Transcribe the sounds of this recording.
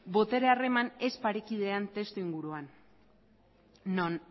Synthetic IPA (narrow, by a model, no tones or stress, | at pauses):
bo̞t̪e̞ɾeare̞mane̞spaɾikið̞e̞ant̪e̞st̪uiŋɡuɾuan | on